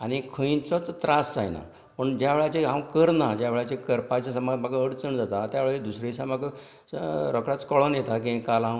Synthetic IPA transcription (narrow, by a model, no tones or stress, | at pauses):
anikʰə̃jt͡sɔt͡st̪ɾasd͡zajna̰ | pəɳd͡ʑjaʋeɭat͡ɕeɦãwkəɾnad͡ʑjaʋeɭat͡ɕekəɾpat͡ɕasəmad͡zmaɡaəɽt͡səɳd͡zat̪at̪jaʋeɭaed̪usɾesamaɡə | ɾɔkɽat͡skɔɭɔnjet̪ak̬ĩkalã